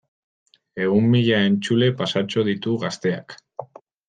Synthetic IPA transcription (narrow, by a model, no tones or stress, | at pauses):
e̞ɣumːiʎae̞nt͡sule̞pasat͡ʃo̞ð̞it̪uɣast̪e̞a̰k